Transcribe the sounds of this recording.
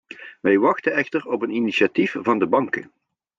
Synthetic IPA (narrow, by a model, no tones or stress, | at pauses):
ʋɛjʋɑxtəɛxtərɔpəniniʃiatifvɑndəbɑŋkə̰